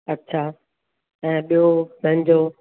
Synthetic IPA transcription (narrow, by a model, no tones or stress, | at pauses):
ɐtːɕʰaː | ɛ̃ːɓijomɐ̃ɲ̆d͡ʑoː